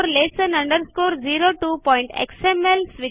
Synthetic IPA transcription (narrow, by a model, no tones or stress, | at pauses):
ɾlesenɐɳɖəɾskoːɾd͡ʒiːɾoʈuːpɔjɳʈḛksemelsʋi